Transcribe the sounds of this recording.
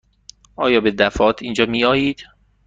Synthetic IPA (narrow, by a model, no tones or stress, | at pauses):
ʔɒːjɒːbed̪æfɒːt̪ʰind͡ʒɒːmiːɒːjiːd̪̥